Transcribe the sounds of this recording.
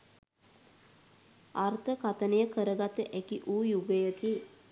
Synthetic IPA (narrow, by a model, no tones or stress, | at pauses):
art̪əkat̪ənəjəkəɾəɡat̪əʔækiʔuːjuɡəjət̪i